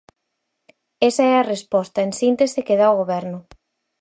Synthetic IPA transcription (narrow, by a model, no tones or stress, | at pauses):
esɐɛɐrespɔst̪ɐensint̪esekeð̞aoɣ̞oβɛɾnʊ